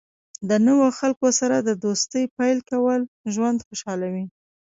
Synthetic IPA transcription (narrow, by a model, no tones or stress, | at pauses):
d̪ənəwoxalkosaɾad̪əd̪ost̪əjpajlkawəl | ʒwand̪xoʃɑlawi